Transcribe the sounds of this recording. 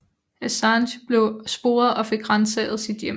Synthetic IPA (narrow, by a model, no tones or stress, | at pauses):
æsɑnɕb̥le̝ʊsb̥o̝ːɐðˠɒ̽fe̝ɡ̥ʁɑ̈nsɛ̰ð̩ˠsid̥jem